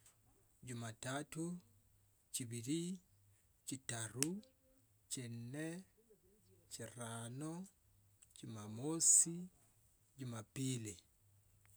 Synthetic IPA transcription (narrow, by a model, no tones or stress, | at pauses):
d͡ʒʊmatato | t͡ʃibiɾi | t͡ʃitaɾu | t͡ʃenːɛ | t͡ʃiɾanɔ | d͡ʒʊmamosi | d͡ʒʊmapili